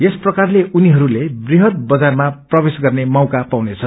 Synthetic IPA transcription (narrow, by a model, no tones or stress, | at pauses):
esprʌkarleʔuniɦʌɾulebriɦʌrbʌd͡zarmaprʌbesɡʌrnemawkapawnet͡sʰʌ